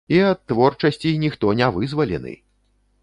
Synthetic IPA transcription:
iɐt̪ːvɔrt͡ʂɐsʲt͡sʲinʲixt̪ɔnʲavɨzvɐlʲɛ̰nɨ̰

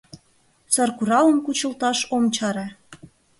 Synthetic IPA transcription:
sɑrkuɾɑləmkut͡ɕə̆lt̪ɑʃomt͡ɕɑɾɑ

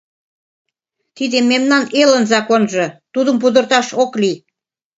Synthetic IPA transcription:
t̪id̪emːemnɑnelənzɑkonʒɤ̆t̪ud̪ə̆mpud̪ə̆rt̪ɑʃokli

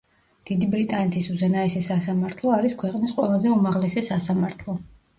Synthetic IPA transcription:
d̪̥id̪ibɾit̪ʼanɛt̪ʰisuzɛnaɛsɛsasamaɾt̪ʰlˠɔaɾiskʰwɛqʼnisqʼwɛlˠazɛumaʁlɛsɛsasamaɾt̪ʰlˠɔ

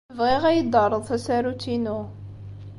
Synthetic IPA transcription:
vʁiʁæjəd̪ˤɑrˤːəðˤθæsæɾut̪ːinu

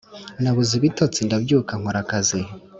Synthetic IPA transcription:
naβuziβitot͡sindabɟuːkaŋ̥oɾakazi

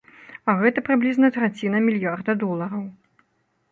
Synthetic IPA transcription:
ɐɣɛt̪ɐpɾɨblʲiznɐt̪ɾat͡sʲinɐmʲilʲjard̪ɐd̪ɔlˠɐɾɐw

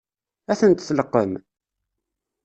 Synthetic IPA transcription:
æθənt̪θləqːəm

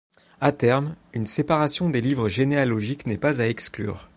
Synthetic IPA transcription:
at̪ɛʁmynsepaʁasjɔ̃d̪elivʁəʒenealɔʒiknɛpazaɛkskly̰ːʁ

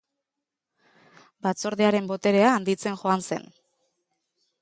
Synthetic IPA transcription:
bat͡so̞ɾðeaɾe̞mbo̞t̪e̞ɾe̞aːnd̪it͡se̞nʝo̞anse̞̰n

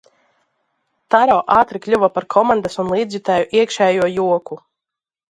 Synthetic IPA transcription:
t̪aɾɔːʔaːt̪ɾiklʲuvapaɾkʰɔmand̪asunlˠiːd̪zʲit̪ajuʔiɛkʃɛːjuɔjuɔku

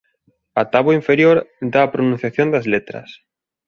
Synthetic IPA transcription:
ɐt̪aβoiɱfeɾjoɾd̪aːpɾonũn̟θjaθjõnd̪ɐzlet̪ɾɐ̰s

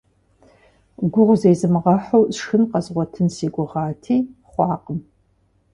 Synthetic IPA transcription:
ɡʷʊʁʷzejzɨmʁɐħowxɨnqɐzʁʷɔtʰɨnsiːɡʷʊʁɑːtʰiːχʷɑːqəm

